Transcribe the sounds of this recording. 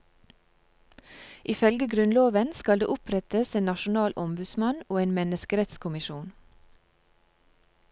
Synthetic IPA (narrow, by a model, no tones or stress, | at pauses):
ʔɪfœlɡəɡɾʉnloːʋənskɑld̪ḛːʔʊpʰɾɛt̪əseːnɑʃʊnɑːlʔɔmbʉd̪smɑnoːeːnmɛnəskəɾɛt̪skʰʊmɪʃuːn